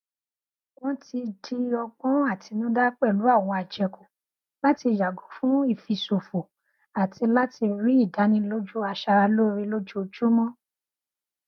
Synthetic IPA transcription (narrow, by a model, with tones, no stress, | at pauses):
wɔ̃˦ti˧di˧ɔ˧ɡ͡bɔ̃˦a˦˨tʰi˨˧nũ˦da˦k͡pɛ˦˨lu˨˦a˦˨w̃ɔ̃˧a˨d͡ʒɛ˧ko˨ | la˦ti˧ja˨ɡo˨˦fũ˦i˦˨fi˧so˨fo˨ | a˨ti˧la˦ti˧ɾi˦i˦˨da˨˦nĩ˧˦lo˦d͡ʒu˦a˧ʃa˧ɾa˧lo˦ɾi˧lo˦d͡ʒu˦o˧d͡ʒu˦mɔ̃˦